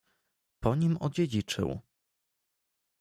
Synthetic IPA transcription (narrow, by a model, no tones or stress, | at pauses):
pɔɲimɔ̰d͡ʑed͡ʑit͡ʂɘ̰w